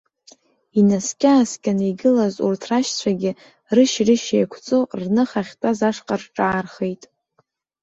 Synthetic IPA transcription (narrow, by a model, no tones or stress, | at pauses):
inaskʲʼaːskʲʼanijɡɨlazṵrtʰraʃt͡sʷʰaɡʲɪ | rɨʃrɨʃḛjkʷʰt͡sʼornɨχaχʲtʼazaʂqʼarʈ͡ʂʼaːrχejtʼ